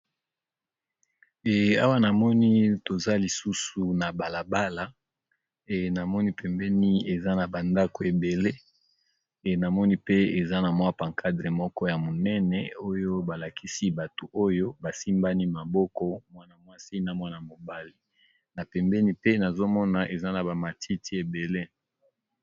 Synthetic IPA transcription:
ɛ˨a˦wa˦na˨mɔ˦ni˦to˨za˦li˨su˦su˨na˨ba˨la˨ba˦la˨ | na˨mɔ˦ni˦pʰɛ˨mbɛ˦ni˦e˨za˦na˨ba˨nda˦ko˨e˨be˨le˦˨ | na˨mɔ˦ni˦pe˦e˨za˦na˨mwa˦pa˨ŋkʰa˦dʁe˨mɔ˦kɔ˦ja˨mo˨nɛ˦nɛ˨o˦jo˦ba˨la˨kʰi˦si˦ba˨to˨ʔo˦jo˦ba˨si˦mba˦ni˦ma˨bɔ˦kɔ˦mwa˦na˨mwa˦si˦na˨mwa˦na˨mo˨ba˦li˨ | na˨pɛ˨mbɛ˦ni˦pe˦na˨zo˦mɔ˦na˨ʔe˨za˦na˨ba˨ma˨ti˦ti˦e˨be˨le˦

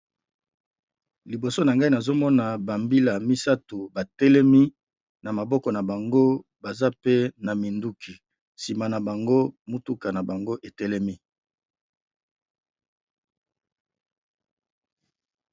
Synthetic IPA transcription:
li˨bo˨so˦na˨ŋɡa˦i˦na˨zo˦mɔ˦na˨ba˨mbi˦la˨mi˦sa˦tu˨ba˨tɛ˦lɛ˦mi˦ | na˨ma˨bɔ˦kɔ˨na˨ba˨ŋɡo˦ba˨za˦pe˦na˨mi˨ndu˦kʰi˨ | si˨ma˨na˨ba˨ŋɡo˦mu˦tu˦ka˨na˨ba˨ŋɡo˦ʔe˨tɛ˦lɛ˦mi˦

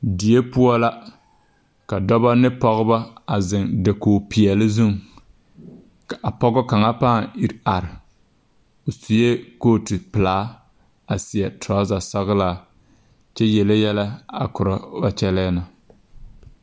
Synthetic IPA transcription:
di˨je˦pʊ˦ɔ˦la˦ | ka˨dɔ˦ba˦nɪ˦pɔ˦ɣʊ˦ba˦a˨zɪ˨ŋde˨koː˨pi˨ɛ˨lɪ˦zu˦ŋ | ka˨pɔ˦ɡɔ˦ka˨ŋa˦paː˦˨i˨ɾa˨ɾɪ˨ | o˨su˨je˦koː˦˨tɪ˨pɪ˨laː˦ | a˨sɪ˨jɛ˨taː˦za˨sa˦ɣlaː˦˨ | t͡ʃɛ˦jɛ˨le˦jɛ˦la˦a̰˨kʊ˨ɾa˨ba˨t͡ʃɛ˦lɛː˦na˨

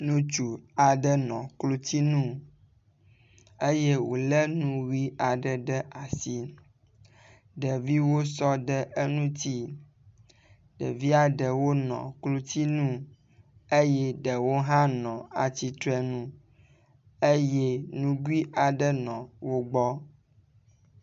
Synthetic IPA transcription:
nũ˦t͡ʃu˨a˨ɖə˦nɔ̰̃˨klo˦t̪i˦nũ˦ | e˦je˦wo˨lə˦nũ˦ɣi˦a˨ɖə˨ɖə˦ʔa˨si˦ | ɖə˨vi˦wo˦sɔ˦ɖə˦ʔe˦nũ˦t̪i˦ | ɖə̰˨vi˦a˨ɖə˨wo˦nɔ̰̃˨klo˦t̪i˦nũ˦ | e˦jɛ˦ɖə˨wo˦ɦã˦nɔ̃˨a˨t͡ɕi˦t̪ɾɛ˦nũ˦ | e˦jɛ˦nũ˦ɡu˦i˦ʔa˨ɖə˦nɔ̃˨wo˦ɡ͡bɔ˦

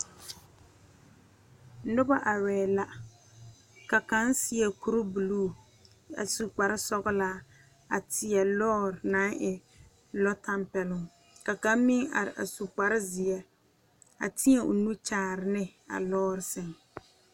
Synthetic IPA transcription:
nʊ˦ba˦ʔa˨wɛː˨la˦ | ka˨ka˦n˦sɪ˨˦ɛ˨ku˦ɾʊ˦bu˨luː˦˨ | a̰˨su˨k͡pa˨ɾɪ˦sɔ˦ɣɪ˦laː˦ | a˨tʰɪ˨ɛ˨lɔː˦ɾna˨˦ŋʔɪ˨ | lɔ˦tʰa˦mpɛ˨lʊ˦˨ŋ | ka˨ka˦mmi˦ŋa̰˨ɾɪ̰˨ʔa̰˨su˨k͡pa˨ɾɪ˦zɪ˨ɛ˦ | a̰˨tʰɪ˦ɲɛ˨ʊ̰˨nu˦t͡ʃaː˨ɾɪ˨nɪ˦a̰˨lɔː˦ɾɪ˨sɪ˨ŋ

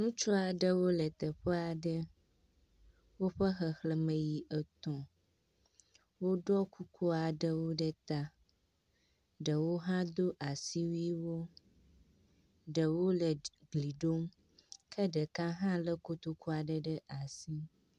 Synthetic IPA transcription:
nũ˦t͡ʃɔ˦a˨ɖə˦wo˦lə˨t̪ə˨ɸə˦a˨ɖə˦ | wo˦ɸə˦xə˨xlə˦mə˨ji˨ʔə˨t̪ɔ̃˨ | wo˦ɖɔ˦ku˦kʰo˦a˨ɖə˦wo˦ɖə˦t̪a˦ | ɖə˨wo˦ɦã˦d̪o˦ʔa˨si˦wi˦wo˦ | ɖə˨wo˦lə˨ɡli˨ɖo˦m | kʰə˦ɖə˨kã˦ɦã˦lə˦ko˨t̪o˦ku˦a˨ɖə˦ɖə˦ʔa˨si˦

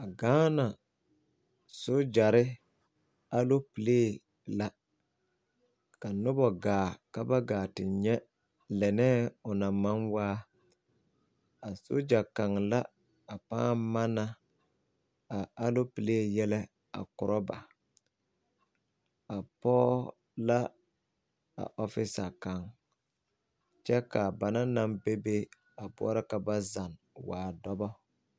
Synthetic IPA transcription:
a˨ɡaː˦na˨ | so˦d͡ʒa˨ɾɪ˦ | a˦lo˦pi˨leː˦˨ | la˦ | ka˨nʊ˦bɔ˨ɡaː˨ka˦ba˦ɡaː˨tɪ˨ɲɛ˦ | lɛ˨nɛː˦ʊ˨na˨ma˦nwaː˦ | a˨sʊ̰˦d͡ʒa˨ka˨ŋla˦ | a˨pa̰ː˦ma˦na˦ | a˨a˦lo˦pi˨le˦˨jɛ˦lɛ˦ | a̰˨kʊ˨ɾʔɔ˦ba˨ | a˨pɔː˦ | la˦ | a̰˨ʔɔ˦fɪ˦sa˨ka˨ŋ | t͡ʃɛ˦ka˨ba˨na˦na˦mbe˦be˦ | a˨bʊ̰˦ɔ˦ɾa˦ka˨ba˦za˨n | waː˨dɔ˦bɔ˦

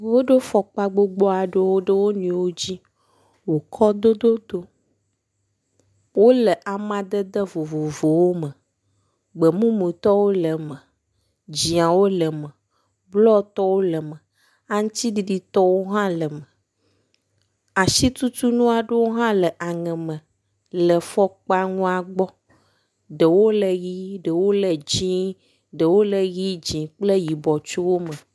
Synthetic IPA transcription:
wo˦ɖe˦fɔ˨k͡pa˦ɡ͡bo˦ɡ͡bɔ˦a˨ɖə˦wo˦ɖə˦wo˦nũ˨˦wo˦d͡ʑi˦ | wo˨kʰɔ˦d̪o˦d̪o˦d̪o˦ | wo˦lə˨ʔa˨mã˨d̪ə˦d̪ə˦vo˨vo˨vo˨wo˦mə˨ | ɡ͡bə˨mũ˦mũ˨t̪ɔ˦wo˦lə˨mə˨ | d͡ʑi˨ã˨wo˦lə˨mə˨ | blɔ˦t̪ɔ˦wo˦lə˨mə˨ | a˦ŋũ˦t̪i˦ɖi˨ɖi˦t̪ɔ˦wo˦ɦã˦lə˨mə˨ | a˨ʃi˦t̪u˦t̪u˦nũ˦a˨ɖe˦wo˦ɦã˦lə˨ʔa˨ŋɛ̃˨mə̃˨ | lə˨fɔ˦k͡pa˦ŋũ˦a˨ɡ͡bɔ˦ | ɖə˨wo˦lə˨ɣi˦ɖə˨wo˦lə˨d͡ʑĩ˦ | ɖə˨wo˦lə˨ɣi˦d͡ʑĩ˨k͡ple˦ji˨bɔ˨t͡ʃo˦wo˦mə̃˨

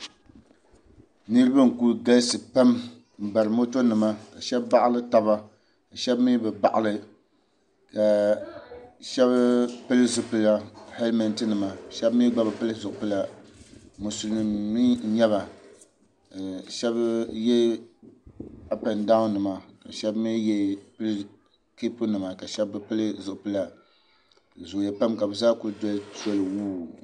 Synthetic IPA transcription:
nɨ˦ɾɨ˦ba˦ŋ̩˨ku˦ɡa˦lsɨ˨pa˦m | m̩˨ba˨ɾɨ˨mo˦to˦nɨ˨ma˦ka˨ʃɛ˦bba˦ʔa˦lɨ˦ta˦ba˦ | ka˨ʃɛ˦bmi˦bɨ˨ba˨ʔa˨lɨ˦ | ka˨ | ʃɛ˦βpɨ˦lɨ˦zʊ˨pɨ˨la˨hɛ˦lmɛ˨ntɨ˦nɨ˨ma˨ʃɛ˦bmiː˦ɡ͡ba˦ba˨pɨ˦lɨ˦zʊ˨pɨ˦la˨ | mu˨su˨lnɨ˨mːi˦ɲɛ˦βa˨ | ʃɛ˦bjɛ˦ | a˨pa˨nda˦n˦nɨ˨ma˨ka˨ʃɛ˦bmi˦jɛ˦pɨ˦lɨ˦ | ki˦pu˦nɨ˨ma˨ka˨ʃɛ˦bːɨ˦pɨ˦lɨ˦zʊ˨ʔʊ˨pɨ˦la˨ | zʊ˨jɛ˨pa˦mka˨bɨ˨zaː˦kʊ˦dɔ˦so˦lɨ˨wuː˦˨

